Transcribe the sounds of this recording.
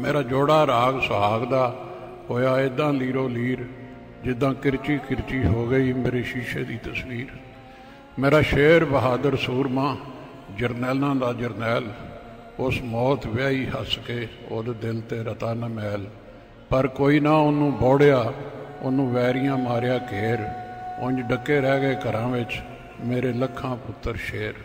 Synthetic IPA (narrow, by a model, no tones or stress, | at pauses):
meːɾaːd͡ʒoːɽaːɾaːɡsʊɦaːɡd̪aː | ɦoːjaːɪd̪ãːliːɾoːliːɾ | d͡ʒɪd̪ãːkɪɾt͡ʃiːkɪɾt͡ʃiːɦoːɡəiːmeːɾeːʃiːʃeːd̪iːt̪əsʋiːɾ | meːɾaːʃeːɾbəɦaːd̪əɾsuːɾmãː | d͡ʒəɾnɛːlnãːd̪aːd͡ʒəɾnɛːl | ʊsmɔːt̪ʋaːiːhəskeːoːd̪eːd̪ɪlt̪eːɾət̪aːnəmɛːl | pəɾkoːiːnaːʊnːũːbɔːɽjaːʊnːũːʋɛːɾijãːmaːɾjaːkeːɾʊ̃ɲd͡ʒɖəkːeːɾɛːɡəeːkəɾãːʋɪt͡ʃ | meːɾeːləkʰːãːpʊt̪ːəɾʃeːɾ